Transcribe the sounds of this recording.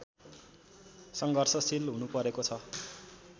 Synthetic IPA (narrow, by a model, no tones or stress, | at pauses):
sʌŋɡʱʌrsʌsilɦunupʌɾekot͡sʰʌ